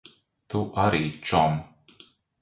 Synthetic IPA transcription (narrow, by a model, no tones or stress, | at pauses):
t̪uʔaɾiːt͡ʃɔm